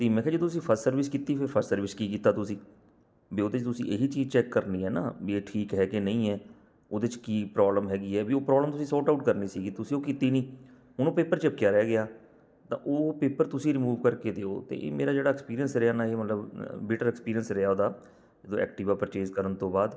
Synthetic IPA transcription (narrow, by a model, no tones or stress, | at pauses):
t̪eːmɛ̃ːkʰɛːd͡ʒəd̪õːt̪ʊsĩːpʰəɾssəɾʋɪskiːt̪iːpʰɪɾpʰəɾssəɾʋɪskiːkiːt̪aːt̪ʊsĩː | biːoːd̪eːt͡ʃt̪ʊsḭ̃ːʔeɦiːt͡ʃiːzt͡ʃɛːkːəɾniːɦɛːna̰ːbiːeːʈʰiːkɦɛːkeːnəĩːɛː | oːd̪eːt͡ʃkiːpɾɔːbləmɦɛːɡiːɛːbioːpɾɔːbləmt̪ʊsĩːsɔːʈauʈkəɾniːsiːɡiːt̪ʊsĩːoːkiːt̪iːnĩː | ɦʊnõːpeːpəɾt͡ʃɪp̚kɪjaːɾɛːɡɪaː | t̪ã̰ːʔoːpeːpəɾt̪ʊsĩːɾimuːʋkəɾkeːd̪eːo̰ːt̪ḛːʔḛːmeːɾaːd͡ʒeːɽaːɛkspiːɾijənsɾeaːnaːeːmət̪ləbbeːʈəɾɛkspiːɾijənsɾɪaːoːd̪aː | d͡ʒəd̪õːɛ̰ːkʈɪːʋaːpɾət͡ʃeːzkəɾənt̪õːbaːd̪